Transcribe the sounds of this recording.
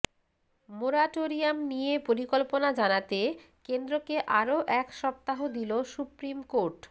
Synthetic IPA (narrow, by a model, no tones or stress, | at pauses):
moɾaʈoɾijamnijepoɾikolponad͡ʑanat̪e | kend̪ɾokeʔaɾoʔɛkʃɔp̚t̪aɦod̪ilosupɾimkoɾʈ